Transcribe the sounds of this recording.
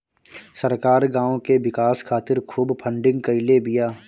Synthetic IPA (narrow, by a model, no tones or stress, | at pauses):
səɾkaːɾɡãːõkeʋɪkaːskʰaːt̪ɪɾkʰuːbpʰə̃ɳɖɪ̃ŋɡkəɪlebɪjaː